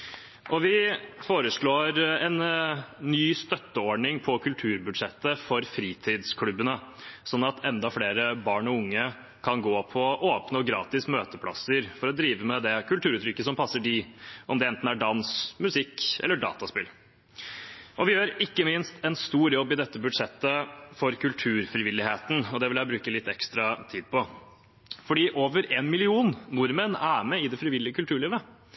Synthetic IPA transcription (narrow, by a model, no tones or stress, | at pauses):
ʔɔʋɪfoːɾəʂɭoːɾɛnnyːst̪œt̪ːəɔɖɳɪŋpʰɔkʰʉlt̪ʰʉːɾbʉd̪ʂɛt̪ːəfɔɾfɾiːt̪ʰiːd̪skʰlʉbːənəsɔnːɑt̪ʰɛnd̪ɑfleːɾəbɑːɳɔʊŋːə | kʰɑnɡoːpʰɔʔoːpnəɔɡɾɑ̰ːt̪ɪsmøːt̪əpʰlɑ̰səɾfɔɾɔd̪ɾiːʋəmɛd̪ɛkʉlt̪ʰʉːɾʉt̪ɾʏkːəsɔmpʰɑsːəɖiʔɔmd̪ɛɛnt̪n̩æɖɑnsmʉsɪkːɛ̰lːəɖɑ̰ːt̪ɑspɪl | ʔɔʋɪjøːɾɪkːəmɪnst̪ɛnst̪uːɾjɔbːɪd̪ɛt̪ːəbʉɖʂɛt̪ːəfɔɾkʰʉlt̪ʰʉːɾfɾɪʋɪlːɪheːt̪n̩ɔd̪ɛʋɪljæɪbɾʉːkəlɪt̪ːɛkst̪ɾɑt̪ʰiːd̪̚pʰɔ | fɔɖiːʔoːʋəɾeːnmɪlɪuːnnʊɾmənæmɛɪd̪ɛfɾɪʋɪlːɪəkʰʉlt̪ʰʉːɭiːʋə